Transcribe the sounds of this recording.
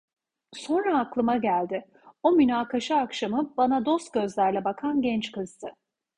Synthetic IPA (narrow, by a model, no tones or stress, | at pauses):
so̞nɾaːklˠɯmaɟælʲd̪ɪ | o̞mynaːkʰaʃaːkʃamɯbanad̪o̞st̪̚ɟ̥ø̞zlʲæɾlʲɛbakʰanɟɛnt͡ʃkɯzt̪ʰɯ